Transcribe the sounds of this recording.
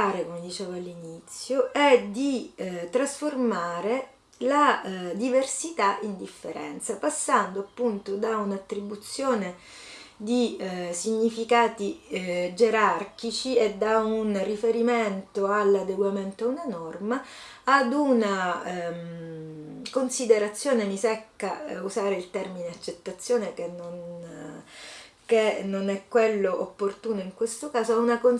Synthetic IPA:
aɾekomed̪it͡ʃeːvoalːinit̪sːjoʔɛd̪it̪ɾasformaːɾe | lad̪iversit̪aʔind̪ifːeɾɛ̰nt̪sapasːand̪oapːunt̪od̪aunat̪ːɾibut̪sːjoːne | d̪isiɲːifikaːt̪id͡ʒeɾark̟it͡ʃied̪ːaunrifeɾiment̪oalːad̪eɡwament̪oaunanɔrmaː | d̪una | konsid̪eɾat̪sːjoːnemisɛkːauzaːɾeilt̪ɛrmineat͡ʃːet̪ːat̪sːjoːnekenːon | kenːonɛkːwelːoʔopːort̪uːnoiŋkwest̪okaːzoaunakon

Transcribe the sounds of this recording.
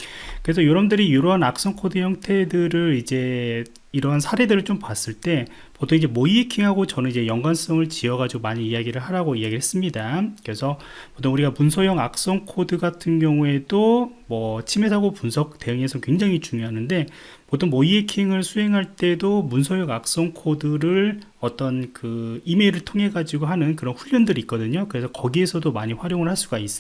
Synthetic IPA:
kɯɾes̬ʰʌjoɾʌmndɯɾijoɾoɦanak̚s͈ʌŋkʰodɯjʌŋtʰe̞dɯɾɯɾid͡ʑe̞ | iɾʌɦansʰaɾe̞dɯɾɯɭt͡ɕ͈ompas͈ɯɭt͈e̞ | potʰoŋid͡ʑe̞moiekʰiŋɦaɡot͡ɕʌnɯnid͡ʑe̞jʌŋɡwans͈ʌŋɯɭt͡ɕiʌɡad͡ʑiɡomaɲiːaɡiɾɯɭɦaɾaɡoiaɡiɭhe̞s͈ɯmɲidakɯɾe̞sʰʌ | potʰoŋuɾiɡapunsʰʌjʌŋak̚s͈ʌŋkʰodɯɡatʰɯnɡjʌŋue̞domwʌt͡ɕʰime̞sʰaɡopunsʰʌk̚t͈e̞ɯŋe̞sʰʌkwe̞ŋd͡ʑaŋit͡ɕuŋjoɦanɯnde̞ | potʰoŋmoiekʰiŋɯɭsʰuɦe̞ŋɦaɭt͈e̞domunsʰʌjʌŋak̚s͈ʌŋkʰodɯɾɯɭ | ʌt͈ʌnkɯime̞ɾɯɭtʰoŋɦe̞ɡad͡ʑiɡoɦanɯnkɯɾʌnɸuʎːʌndɯɾik͈ʌdɯɲokɯɾe̞sʰʌkʌɡie̞sʰʌdomaɲiɸwaɾjoŋɯɭhaɭs͈uɡais͈

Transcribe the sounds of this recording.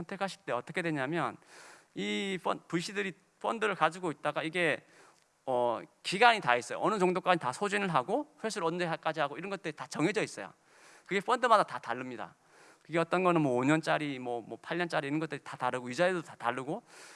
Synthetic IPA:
sʰʌntʰe̞kʰaɕʰi̥t͈e̞ʌt͈ʌkʰe̞dweɲamjʌnipʰʌpuɕ͈ʰidɯɾi | pʰʌndɯɾɯɭkad͡ʑuɡoit̚t͈aɡaiɡe̞ | ʌkiɡaɲitais͈ʌjo̰ʌnɯt͡ɕoŋdok͈aɲitasʰod͡ʑinɯɭɦaɡoɸwesʰɯɾʌnd͡ʑeɦak͈ad͡ʑiɦaɡoiɾʌnɡʌt͈̚ɯɾitat͡ɕʌŋɦed͡ʑʌis͈ʌjo̰ | kɯɡe̞ɸʰʌndɯmadatataɭːɯmɲida̰ | kɯɡe̞ʌt͈ʌnɡʌnɯnmwʌoɲʌnt͡ɕ͈aɾimwʌmwʌpʰaɭɲʌnt͡ɕ͈aɾiːɾʌnɡʌt͈ɯɾitataɾɯɡojid͡ʑaeddotataɭːɯɡo

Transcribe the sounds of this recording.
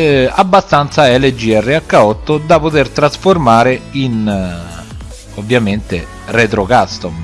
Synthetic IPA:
abːast̪ant̪saɛled͡ʒiɛrːeakːaɔt̪ːod̪apot̪ert̪ɾasformaːɾein | ovːjament̪e | rɛt̪ɾokast̪om

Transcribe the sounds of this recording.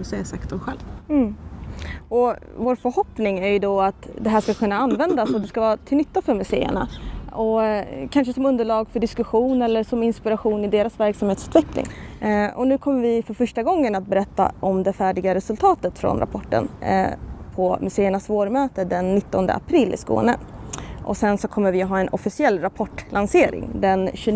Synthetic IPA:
sɛsakt̪ɔmɧɛlv̩ | ɔvoːɾfœɾhɔpnɪŋæɾjɵd̪ɔat̪d̪ɛɦæːʂkakʰɵnːaanːvɛnd̪asɔd̪ɛskavɑːɾt̪ʰɪlʏt̪ːafœɾmɵsḛːə̰ɳa̰ɔkʰanʂəsɔmɵnd̪əɭɑːɡfœɖɪskɵɧuːnɛlːəʂɔmɪnspɪɾaɧuːnɪd̪eːɾasvæɾksamheːt̪sʉ̟ːt̪vɛklɪ̰ŋɔnʉ̟ːkʰɔmːəɾvɪfœɾfœʂʈaɡɔŋːənat̪̚bɛɾɛt̪ːa̰ʔɔmd̪ɛfæːɖɪɡaɾɛsɵlt̪ʰɑːt̪ət̪fɾɔ̰nɾa̰pʰɔʈːə̰n | pʰɔmɵseːəɳasvoːɾmøːt̪əd̪ɛnːɪt̪ːɔnd̪ə̰a̰pʰɾɪlːɪ̰sko̰ːnə̰ʔɔ̰sɛnsɔkʰɔmːəɾvɪɦɑːɛnʔɔfɪsɪɛlːɾapʰɔʈːlanseːɾɪ̰ŋd̪ɛnɕɵ

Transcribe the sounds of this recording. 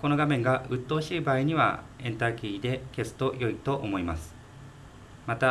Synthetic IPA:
ko̞no̞ɡamẽ̞ŋɡaʔɯ̟t̪ːo̞ːɕiːbaːiɲ̟iβa̰ẽ̞nt̪akʲiːd̪e̞ke̞sɨ̥t̪o̞jo̞it̪o̞ʔomo̞ima̰sɨ̥ | mat̪a

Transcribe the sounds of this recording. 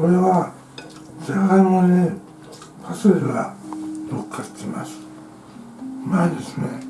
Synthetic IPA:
oɾe̞βa | zekamone | pʰasoeɾɯɡaɾokʰːḁt̪ʰːema̰sɨ̥ | mad̪e̞sɨ̥ne̞

